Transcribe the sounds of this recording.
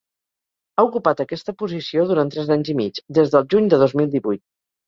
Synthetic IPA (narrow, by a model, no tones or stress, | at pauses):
aukupat̪əkɛst̪əpuzisioðuɾant̪ːɾɛzaɲzimit͡ʃd̪ezðəlˠʒuɲd̪əðozmilˠd̪iβujt̪̚